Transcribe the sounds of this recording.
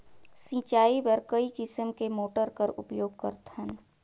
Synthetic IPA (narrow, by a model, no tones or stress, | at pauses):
sĩːt͡ʃaːibəɾkəikɪsəmkemoːʈəɾkəɾʊ̰pjoːɡ̚kə̰ɾt̪hən